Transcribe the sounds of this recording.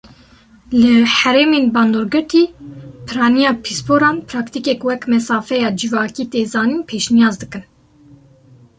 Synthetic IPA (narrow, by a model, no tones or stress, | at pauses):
lɨħɛɾemeːnbɑːnd̪oːɾɡɨɾt̪iːpʰɨɾɑːnijɑːpʰispʰoːɾɑːnpʰɾɑːkt̪ikɛkwɛkmɛsɑːfɛjɑːd͡ʒivɑːkiːt̪eːzɑːniːnpʰeːʃnijɑːzd̪ɨkɨn